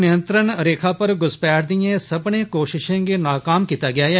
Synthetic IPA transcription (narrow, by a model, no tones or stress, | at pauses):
nɪjə̃nt̪ɾənɾeːkʰapɐɾɡʊspɛːɽd̪iẽsɐbnekoːʃɪʃẽkenaːkaːmkiːt̪aɡɪjaːɦɛː